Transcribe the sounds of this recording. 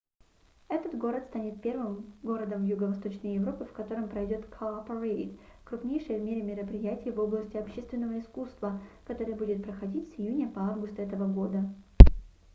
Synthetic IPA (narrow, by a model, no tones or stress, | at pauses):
ɛt̪ət̪ɡo̞ɾət̪st̪anʲɪt̪̚pʲe̞rvɨmɡo̞ɾəd̪əmvjuɡəvɐst̪o̞t͡ɕnəjjɪvɾo̞pɨfkɐt̪o̞ɾəmpɾɐjdʲo̞t̪kʰoapəɾeɪt̪kɾʊpnʲejʂəjəvmʲeɾʲɪmʲɪɾəpɾʲɪjætʲɪjvo̞blˠəsʲtʲɪɐpɕːest̪vʲɪnːəvəɪskust̪vəkɐt̪o̞ɾəjəbudʲɪt̪̚pɾəxɐdʲitʲsʲɪjunʲəpɐavɡʊst̪əɛt̪əvəɡo̞d̪ə